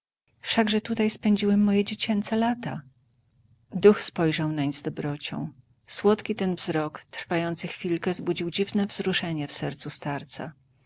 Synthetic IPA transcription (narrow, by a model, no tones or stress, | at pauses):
fʂaɡʐɛt̪ut̪ajspɛɲd͡ʑiwɛmːɔjɛd͡ʑet͡ɕɛnt̪sɛlat̪a | d̪uxspɔjʐawnaɲzd̪ɔbɾɔt͡ɕɔ̰̃w̃ | swɔt̪kʲit̪ɛnvzɾɔkt̪ɾfajɔnt̪sɘxfʲilkɛzbud͡ʑiwd͡ʑivnɛvzɾuʂɛɲɛfsɛɾt̪sust̪aɾt̪sa̰